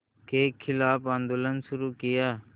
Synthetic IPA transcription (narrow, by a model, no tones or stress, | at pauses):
keːkʰːɪlaːpãːnd̪oːlənsʊɾuːkɪjaː